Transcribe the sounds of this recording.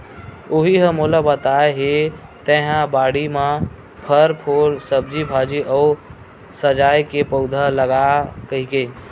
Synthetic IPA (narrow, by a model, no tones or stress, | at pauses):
oɦiɦəmolabət̪aeɦet̪ẽɦãbaːɽimã | pʰəɾpʰoːɾsəb̚d͡ʒibʱad͡ʒiʔəː | səd͡ʒajkepəʊd̪ʱaləɡakəɦike